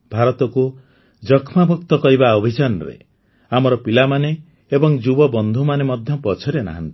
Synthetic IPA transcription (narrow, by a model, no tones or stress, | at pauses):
bʱaɾɔt̪ɔku | d͡ʒɔkʰmabʱɔkt̪ɔkɔɾibaɔbʱid͡ʒanɔɾḛ | amɔɾɔpilamane | ebɔŋd͡ʒubɔbɔnd̪ʱumanemɔd̪ʱjɔpɔt͡ʃʰɔɾena̰ɦa̰nt̪i̥